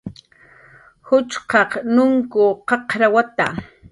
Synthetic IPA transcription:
hʊt͡ʃqɑqnʊŋkʊqɑqɾawat̪a

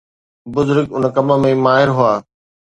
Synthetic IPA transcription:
bʊzʊɾɡʊnkɐməmẽmaːɦɪɾɦʊaː

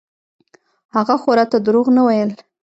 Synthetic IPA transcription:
haɣaxoɾat̪ad̪ɾoɣnawajəl

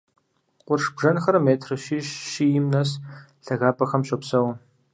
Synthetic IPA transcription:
qʷʼʊrʂbʐɐnxɐɾmeːtʰrɨʃiːɕʃijɪmnɐs | ɬɐɣaːpʰʼɐxɐmɕʼɐpsɐw

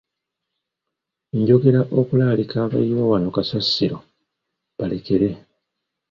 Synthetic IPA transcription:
ɲɟo̞ɡe̞ɾaʔo̞kulalikaːβa̰ijoːwano̞kasasiɾo̞ | βale̞ke̞ɾe̞

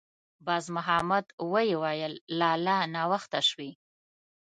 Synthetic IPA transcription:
bɑzmʊɦamad̪wəjewɑjəlːɑlɑnɑwaxt̪aʃwi

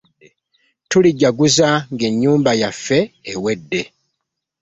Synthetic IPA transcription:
tuliɟːaɡuzaŋɡe̞ɲːuːmbajafːe̞ːwedːe̞

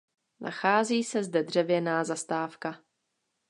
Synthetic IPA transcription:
na̰xaːziːsɛzdɛdr̝̥ɛvjɛnaːzast̪aːfka

